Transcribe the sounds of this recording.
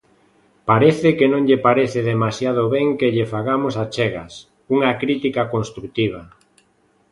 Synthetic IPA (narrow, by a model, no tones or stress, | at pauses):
paɾeθɪkenõŋʎepaɾeθɪðemasjað̞oβɛŋkeʎɪfaɣamosat͡ʃɛɣa̰s | uŋakɾit̪ikakonst̪ɾut̪iβ̞a